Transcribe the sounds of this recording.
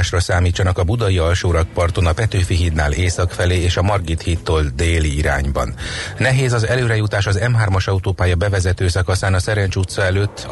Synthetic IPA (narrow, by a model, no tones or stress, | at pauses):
ʃrɒsaːmiːt͡ʃːɒnɒkɒbud̪ɒiɒlʃoːɾɒk̚pɒrt̪o̞nɒpɛt̪øːfiɦit̪naːleːsɒkfɛleːeːʃɒmɒrɡit̪hit̪ːoːld̪eːliiɾa̰ːɲbɒ̰nːɛɦeːzɒzɛløːɾɛjut̪aːʃɒzɛmɦaːrmɒʃɒut̪oːpaːjɒbɛvɛzɛt̪øːsɒkɒsaːnɒsɛɾɛnt͡ʃut̪sɒɛløːt̪ː